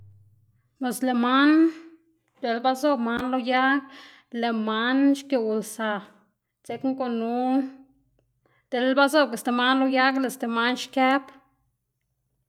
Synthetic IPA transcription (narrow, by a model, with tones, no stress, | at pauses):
mo˨sle˨ma˦n | d̪̥e˨˦lba˦zo˦ma˧˦nlo˦ja˦k | le˨ma˧˦nʃke˨wu˨lsa˨ | t͡se˦kŋ˦ko˨nu˦ | d̪̥e˨lba˦zo˦ke˨st̪e˨ma˦nlo˦ja˦kle˨st̪e˧˨ma˦nʃke˦p